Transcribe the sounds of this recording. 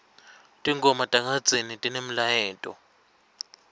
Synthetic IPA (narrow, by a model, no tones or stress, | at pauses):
tʼiŋɡɔmatʼaŋḁd͡zʱenitʼinem̩lajɛːtʼɔ̰